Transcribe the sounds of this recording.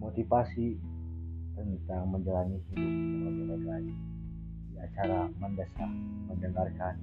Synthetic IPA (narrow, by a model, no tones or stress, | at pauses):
mot̪ipasi | tərnit̪aŋməɲd͡ʒalanihiamənənəd͡ʒəlani | dia̰t͡ʃaɾaməndəsah | məndəŋarkan